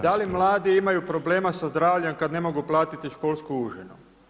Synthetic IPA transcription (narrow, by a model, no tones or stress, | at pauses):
d̪alimlˠaːd̪iimajupɾo̞ble̞ːmasazd̪ɾaːʋʎemkad̪ne̞mo̞ɡuplˠaːt̪it̪iʃkoːlˠskuuʒenu